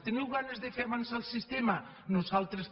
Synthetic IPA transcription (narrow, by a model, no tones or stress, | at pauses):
t̪eniwɣanezðefeaβansalˠsist̪ema | nosalˠt̪ɾes